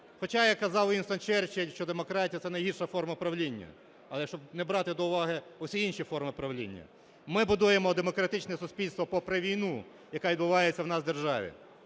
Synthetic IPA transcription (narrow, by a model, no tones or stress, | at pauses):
xɔt͡ʃɑjakːɐzɑwinst̪ɐnt͡ʃɛrt͡ʃelʲʃt͡ʃɔd̪emɔkɾɑtʲijɐt̪ɛnɐjɦirʃɐfɔrmɐpɾɐwlʲinʲːɐ̰ | ɐlˠɛʃt͡ʃɔbnɛbɾɑt̪ɪd̪ɔʊʋɑɦɪɔsʲiinʃifɔrmɪpɾɐʋlʲḭnʲːɐ̰ | mɪbʊd̪ujemɔd̪emɔkɾɐt̪ɪt͡ʃnɛsʊsʲpʲilʲst̪ʋɔpɔpɾeʋʲijnu | jɐkaʋʲid̪bʊʋɑjet͡sʲːɐwnɑsd̪erʒɑʋʲḭ